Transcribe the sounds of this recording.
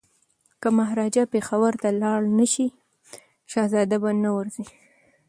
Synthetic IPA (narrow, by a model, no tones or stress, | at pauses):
kamaɦɾɑd͡ʒapexawaɾt̪alɑɽnəʃi | ʃɑzɑd̪abanawəɾzi